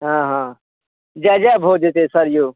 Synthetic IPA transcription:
ɦãːɦãː | d͡ʒaːd͡ʒaːbʱoːd͡ʒet̪esəɾjoː

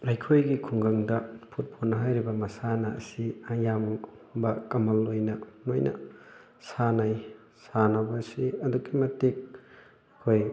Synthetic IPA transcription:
ɾajkʰojɡikʰuŋɡaŋdɐpʰut̚pʰonːɐɦajɾibɐmɐsanɐɐ̰siajam | bɐkɐmɐlːojnɐnojnɐ̰ | sanaj | sanɐbɐsiɐdukːimɐtik̚ | hoj

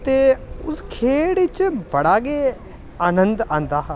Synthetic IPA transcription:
t̪eʊskʰeːɽit͡ʃbɐɽaːɡe | aːnə̃nd̪ãːnd̪aːɦ

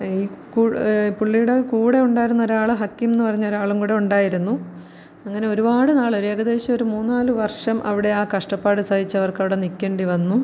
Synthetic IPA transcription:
iːkuːpuɭːijuɽe̞kuːɽe̞uɳɖaːjiɾunːɐo̞ɾaːɭɨɦɐkːimenːɨpɐrɐɲːo̞ɾaːɭumkuːɽeuɳɖaːjiɾunːu | ɐŋːɐne̞o̞ɾubaːɽɨnaːɭo̞ɾueɡɐðe̞ːɕɐmoɾumuːnːaːlɨʋɐrʂɐmʔɐ̰ʋiɽe̞aːkɐʂʈɐpːaːɽɨsɐdit͡ɕːɐʋɐrkɐʋiɽe̞nikʲːeːɳɖiʋɐnːu

